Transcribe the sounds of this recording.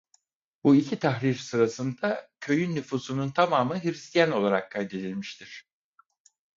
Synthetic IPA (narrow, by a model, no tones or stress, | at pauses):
buicʰit̪ʰaxɾiɾsɯɾasɯnd̪acʰø̞jynːyfuːsununt̪ʰamaːmɯɦiɾist̪ʰijæno̞lˠaɾakʰːajd̪e̞d̪ilʲmiʃt̪ʰiɾ̥